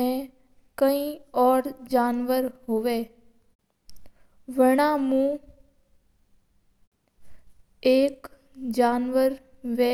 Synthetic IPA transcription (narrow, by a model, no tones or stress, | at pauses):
ẽ | kəĩːɔːɾd͡ʒaːnʋəɾɦoʋeː | ʋəɽãːmũː | eːk | d͡ʒaːnʋəɾ | ʋe